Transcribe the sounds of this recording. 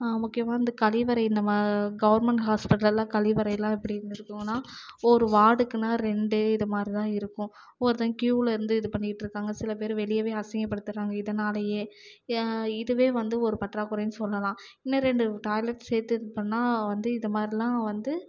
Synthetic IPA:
amʊkːɪjɐmaːɪnd̪ɐkɐlɪʋɐɾɐɪɪnd̪ɐmaːɡɐʋɐɾmɛɳʈɦaːspɪʈːɐlɐlãːkɐlɪʋɐɾɐjɐlãːɛpːɐɽɪɪɾɯnd̪ɪɾɯkːɯːŋɡɐnːaːɔɾɯʋaːɽɯkːɯnaːɾɛɳɖɯɪnðɐmaːd̪ɾit̪ãːɪɾɯkːʊ̃ | ɔɾɯt̪ãːkjuːlɪɾɯnd̪ɯɪðɯpɐɳːɪkɪʈːɾɯkːaːŋɡɐsɪlɐp̬eːɾʋɛɭɪjɐʋeːɐsɐŋɡɐpːɐɽɯt̪ːɯɾaːŋɡɐɪðɐnaːlɐjeː | ɪðɯʋeːʋɐnd̪ɯɔɾɯpɐʈɾaːkʊɾɐjsɔlːɐlãː | ɪnːɐɾɛɳɖɯʈaːɪlɐʈseːɾt̪ːɯpɐɳːaːʋɐnd̪ɯɪnd̪ɐmaːd̪ɾilãːʋɐnd̪ɯ

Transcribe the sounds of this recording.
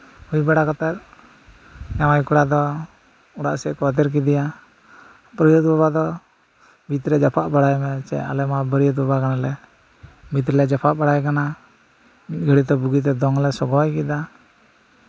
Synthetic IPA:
ujbɛɽakɔt̪aɾ̚ | jawajkuɽad̪ɔ | uɽa̰ʔsɛʔkwat̪ɛɾk̬id̪ija | pɾɔjɔt̪baβad̪ɔ | bit̪ɾɛd͡ʒapʰaʔbaɽajmɛt͡ʃɛ̰ʔa̰lɛmabəɾijɔd̪̚bɔbakanalɛ | mit̪̬ɾɛlɛd͡ʒapʰaʔbaɽajkana | mit̪̚ɡəɽit̪ɔbuɡit̪̬ɛd̪ɔŋlɛsɔɡɔwajkid̪a

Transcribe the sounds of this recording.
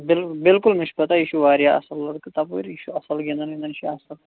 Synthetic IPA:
bɪlbɪlkʊlmɪʃbɐt̪aiʃʰuʋaːɾjaɐ̰sɐlːɐɽkɨt̪apṵɾiʃuɐsɐlɡẽnd̪ɐnɡʲẽːnd̪ɐnʃʰiaːsɐl

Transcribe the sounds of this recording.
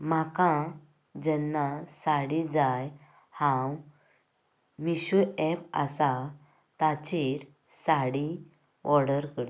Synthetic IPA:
makã | d͡ʑɛnːasaɽid͡zaj | hãw | miɕuɛpa̰sa | t̪at͡ɕiɾ | saɽi | ʔɔɾɽəɾkəɽ

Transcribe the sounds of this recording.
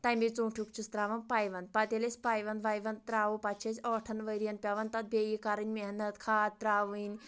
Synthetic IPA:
t̪ɐjmit͡suːʈʰukt͡ʃʰust̪ɾaːʋɐnpajʋɐnd̪̚pɐt̪ʲelesʲpaːjʋɐnd̪ʋajʋɐnd̪̚t̪ɾaːʋupɐt͡ʃʰesʲɔːʈʰɐnʋəɾijɐnpʲaʋɐnt̪ɐt̪̚bʲeːjikaɾɨnʲmeɦnɐt̪kʰaːd̪̚t̪ɾaːʋɨnʲ

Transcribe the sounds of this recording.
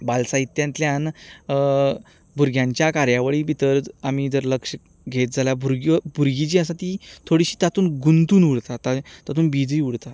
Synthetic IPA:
balsait̪ːjãnt̪ljãn | bʱuɾɡʱjaɲt͡ɕjakaɾjaʋəɭiːbit̪əɾamiːd͡zəɾləkʂə | ɡʱet̪̚d͡zʱaljabʱuɾɡbʱuɾɡit͡ɕiːəsat̪it̪ʰoɽiɕiːt̪at̪uːnɡunt̪uːnuɽt̪at̪at̪at̪uːnbid͡ziuɽt̪a

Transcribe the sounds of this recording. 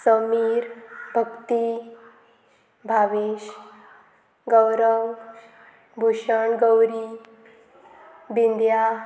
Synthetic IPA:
səmiɾbʱəkt̪i | bʱaʋiɕ | ɡəwɾəw | bʱuɕəɳɡəwɾi | bind̪ja

